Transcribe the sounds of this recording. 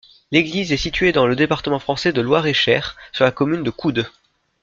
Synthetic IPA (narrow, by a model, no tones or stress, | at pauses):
leɡlizɛsit̪ɥed̪ɑ̃ləd̪epaʁt̪əmɑ̃fχɑ̃sɛd̪əlwaʁeʃɛːʁsyʁlakɔmynd̪əkʰud̪